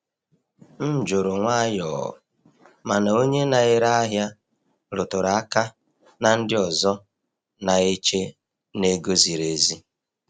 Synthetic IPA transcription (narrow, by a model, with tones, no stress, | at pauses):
n̩˦d͡ʒo˨ɾo˨ŋʷa˦jɔ̰˨ɔ̰˨ | ma˨na˨o˦ɲe˦na˨ɪ˦ɾa˦a˦ɦja˦ | ɾʊ˨tʊ˨ɾa˨a˦ka˦ | na˨n̩˦dɪ˦ɔ˨zɔ˦ | na˨e˦t͡ʃe˦ | ne˦ɡo˦zi˨ɾe˨˦zi˦